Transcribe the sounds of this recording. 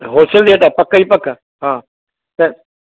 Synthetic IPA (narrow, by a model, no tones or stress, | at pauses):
ɦoːsəld̪eːʈaːpɐkəiːpɐk | ɦãː | t̪ɐ